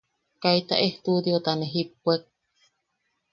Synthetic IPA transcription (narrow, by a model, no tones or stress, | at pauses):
kait̪a̰ʔeht̪ud̪iot̪aneɦipːuek̚